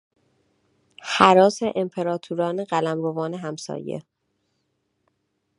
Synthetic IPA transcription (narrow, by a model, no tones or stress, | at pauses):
hæɾɒːseʔempʰe̞ɾɒːt̪ʰuɾɒːneɢælæmɾovɒːneɦæmsɒ̰ːjḛ